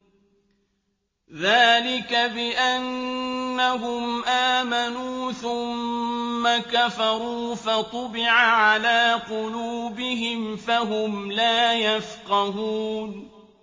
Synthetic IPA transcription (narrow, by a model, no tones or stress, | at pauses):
ðaːlɪkabɪʔanː | aɦʊmʔaːmanuːθʊmːakafɑɾˤuːfɑt̪ˤʊbɪʕaʕalaːqʊluːbɪɦɪmfaɦʊmlaːjafqɑhuːn